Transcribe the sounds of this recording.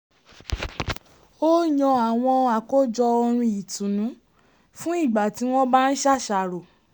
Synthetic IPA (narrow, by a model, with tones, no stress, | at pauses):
o˦ɲɔ̃˧a˨w̃ɔ̃˧a˨ko˦˨d͡ʒɔ˧ɔ˧ɾ̃ũ˧i˨tũ˨nũ˨˦ | fũ˦i˦˨ɡ͡ba˨ti˨˦w̃ɔ̃˦ba˦n̩˦ʃa˦˨ʃa˨ɾo˨